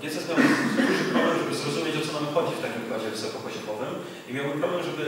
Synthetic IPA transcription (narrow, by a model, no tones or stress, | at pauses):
ɛsɛzmʲaw̪d̪uʐɨpɾɔblɛmʐɛbɘzɾɔzumʲjet͡ɕɔt̪sɔnamxɔd͡ʑit͡ɕft̪akʲimbɾad͡ʑɛvɨsɔkɔpɔɕɔbɔvɘm | imʲjawɘmpɾɔblɛmʐɛbɘ